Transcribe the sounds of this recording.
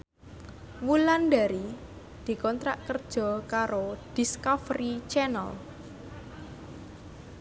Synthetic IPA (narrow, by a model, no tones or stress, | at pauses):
wulanɖaɾi | d̪̥i̤kɔnt̪ɾaʔkərd̥ʒ̥ɔ̤kaɾod̥iskɔfɾit͡ʃɛnə̰l